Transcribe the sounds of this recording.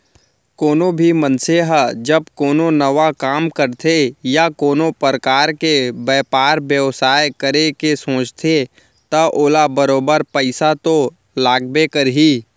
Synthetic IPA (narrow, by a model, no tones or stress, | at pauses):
koːnobʱimənseɦəd͡ʒəbkoːnonəʋakaːmkəɾt̪ʰejakoːnopɾəkaːɾkebɛːpaːɾbjəʋsaːekəɾekesõːt͡ʃt̪ʰe | t̪ɐʔoːlabəɾoːbəɾpəɪsat̪o | laːɡbekəɾɦiː